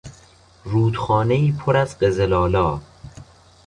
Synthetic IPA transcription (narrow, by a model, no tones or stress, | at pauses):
ɾuːd̪xɒːneiːpʰoɾæzɢezelɒːlɒː